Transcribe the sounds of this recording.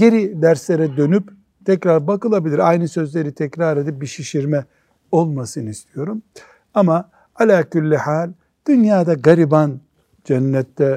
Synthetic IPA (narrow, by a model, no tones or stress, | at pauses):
ɟ̥e̞ɾid̪æɾslʲeɾɛd̪ø̞nyp | t̪ʰɛcɾaɾbakɯlˠabilʲiɾajnɯsø̞zlʲe̞ɾit̪ʰɛcɾaɾe̞d̪ip̚biʃiʃiɾmɛ | o̞lˠmasɯnɯist̪ʰijo̞ɾum | ama | alʲaːculʲːihaːlʲ | d̪̥ynjaːd̪aɡaɾiban | d͡ʒɛnːɛt̪ːɛ